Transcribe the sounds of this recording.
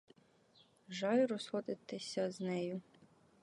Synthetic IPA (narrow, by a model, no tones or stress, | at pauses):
ʒɑjɾɔsxɔd̪ɪt̪ːɪsʲɐznɛjʊ